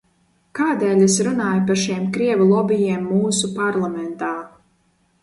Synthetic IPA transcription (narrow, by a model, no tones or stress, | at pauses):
kaːd̪ɛːlʲesɾunaːjpaɾʃimkɾiɛvulˠɔbijiɛmːuːsupaɾlˠamɛnt̪aː